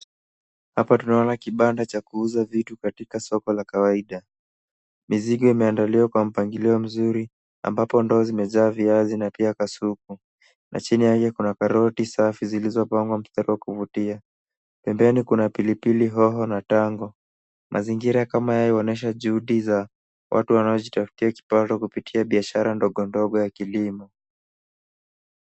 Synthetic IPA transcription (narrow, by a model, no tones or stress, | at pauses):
hapatunaɔnakiɓandat͡ʃakuuzavitukatikasɔkɔlakawaiɗa | miziɠɔimɛandaliwakwam̩paŋɡiliɔm̩zuɾi | a̰mbapɔndɔːzimɛʄaːviazinapiakasuk̚u | nʔa̰t͡ʃinijahijɛkunakaɾɔtisafizilizɔpaŋɡwam̩staɾiwakuvutia | pɛmbɛnikunapilipiliɦɔɦɔnataŋɡɔ | mʔa̰ziŋɡiɾakamajajiɔnɛʃ̬aʄuhuɗiza | wʔa̰tuwanaɔʄitafu̥tiaki̥patɔkupitʰiaɓiaʃaɾandɔɠɔndɔɠɔjakilimɔ